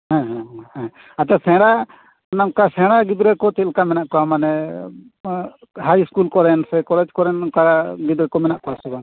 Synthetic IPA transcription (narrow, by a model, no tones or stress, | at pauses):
ɦãɦɛ̃hɛ̃ | at̪ɛsɛ̃ɽa | namkasɛ̃ɽaɡid̪ɾɛkɔt̪ɛlkamɛnaʔkɔamanɛ | ɦajskulkɔɾɛnsɛkɔlɛd͡ʒkɔɾɛnkaɡid̪ɾɛkɔmɛnaʔkɔasɛɡan